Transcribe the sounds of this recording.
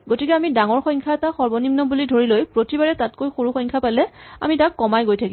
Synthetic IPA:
ɡotikɛamidaŋɔɹxɔjŋkʰaɛtaxɔɹbɔnimnɔbulidʱoɹilojpɹotibaɹɛtatkojxoɹuxɔjŋkʰapalɛa̰mitakːɔmajɡojtʰaki

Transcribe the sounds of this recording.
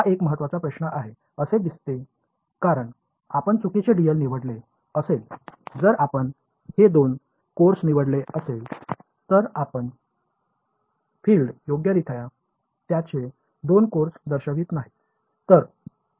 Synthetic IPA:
ɦaʔekməɦət̪ːʋat͡sapɾəɕnəʔaɦe | əsed̪ist̪e | kaɾəɳ | apəɳt͡sukit͡ɕeɖijəlniʋəɽle | əseld͡zəɾapəɳ | hed̪on | koɾsniʋəɽleəsel | t̪əɾapəɳ | fiːlɖjoɡjəɾit̪ʰəja | t̪jat͡ɕe | d̪onkoɾsd̪əɾɕəʋiːt̪naɦi | t̪əɾ

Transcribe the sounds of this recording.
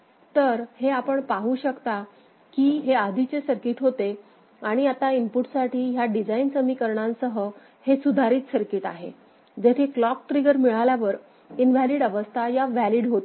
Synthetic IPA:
t̪əɾheapəɳpaɦuːɕəkt̪a | kiːɦead̪ʱit͡ɕesəɾkiʈɦot̪e | aɽ̃iat̪aimpuʈsaʈʰiːɦjaɖid͡zainsəmikəɾɳãnsəɦə | hesud̪ʱaɾiːt̪səɾkiʈa̰ɦḛ | d͡ʑet̪ʰeklɔk̚ʈɾiɡəɾmiɭaljaʋəɾ | inʋæliɽəʋəst̪ʰajaʋæliɽɦot̪

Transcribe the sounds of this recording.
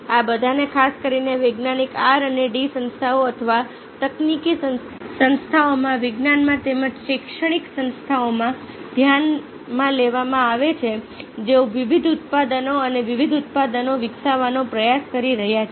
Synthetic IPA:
abəd̪ʱanekʰaskəɾineʋeɡnanikaɾəneɖisə̃nst̪ʰaoət̪ʰəʋa | t̪əknikisən | sə̃nst̪ʰaomãʋɪɡnanmãt̪eməd͡ʒʃekʃəɽ̃iksə̃nst̪ʰaomã | d̪ʱjan | mãleʋamãaʋet͡ʃʰe | d͡ʒeoʋiʋid̪ʱut̪̚pad̪ənoəneʋiʋid̪ʱut̪̚pad̪ənoʋɪksaʋanopɾəjaskəɾiɾəɦjat͡ʃʰe

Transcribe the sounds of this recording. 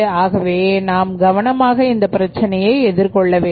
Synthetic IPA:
aːɣɐʋeːnaːmɡɐʋɐnɐmaːɣɐɪnd̪ɐpːɪɾɐt͡ʃːɐnɐjɐɪɛðɪɾkɔɭːɐʋeː

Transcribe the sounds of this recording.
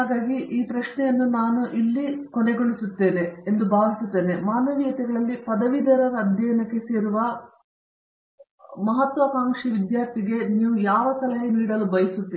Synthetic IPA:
haːɡaːɡiʔiːpɾɐʃɳɛjɐnːunaːnuʔilːikoneɡoɭisut̪ːe̞ːne̞ːnd̪ubaːʋisut̪ːe̞ːne̞maːnɐʋijɐt̪ɛɡɐɭɐlːipɐd̪ɐʋid̪ɐɾɐɾːd̪ʱjɛːɐnɐkːe̞seːɾuʋɐ | mɐɦɐt̪ʋɐkaːŋkʂiʋid̪jaːɾt̪iɡe̞niːʋujaːʋɐsɐlɐɦɐniːɽɐlubɐjisut̪ːi

